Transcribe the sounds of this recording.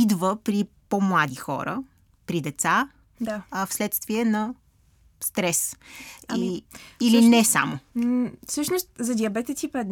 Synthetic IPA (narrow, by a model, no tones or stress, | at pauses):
id̪vəpɾipomlˠad̪ixɔ̰ɾə̰ | pɾid̪ɛt̪sa | d̪aɐfslɛt̪st̪viɛnɐ | st̪ɾɛs | iilinɛsa̰mʊfsɤʃnost̪zɐd̪iɐbɛt̪ɛsipɛd̪n